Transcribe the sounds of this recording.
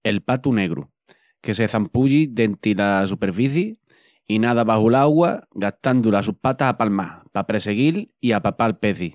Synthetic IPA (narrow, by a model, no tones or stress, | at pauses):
e̞lpat̪une̞ɣɾṵ | ke̞seθampuʎid̪e̞nt̪ilas̬upe̞ɾfiθji | inaðaβahulaɣwaɡat̪and̪ulas̬uhpat̪ahapalma̰hpapɾe̞se̞ɣiliapapalpe̞θi